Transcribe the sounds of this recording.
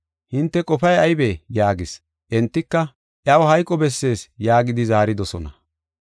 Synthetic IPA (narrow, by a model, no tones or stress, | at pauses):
hɪnt̪ːɛkʼɔpɐjɐjbeːjaːɡɪs | ʔɛnt̪ːɪkːɐ | ʔjɐwɔɦɐjkʼːɔbɛsːe̞ːsjaːɡɪd̪ɪzaːɾɪd̪ɔsɔnɐ